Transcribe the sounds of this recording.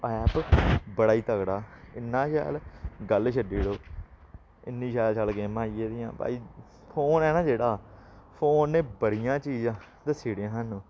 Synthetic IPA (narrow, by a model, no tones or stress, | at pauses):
ɛːpbəɽaːiːt̪əkɽaːɪnːãːʃa̰ːlɡəlʃəɖiːɽoː | ɪnːĩːʃaːlt͡ʃəlkeːmaːiːeːd̪ɪjã̰ːba̰ːiː | pʰoːnɛːnãːd͡ʒeːɽaːpʰoːnːẽːbəɾɪjãːt͡ʃiːzãː | t̪əsiːɽɪãːɦənũː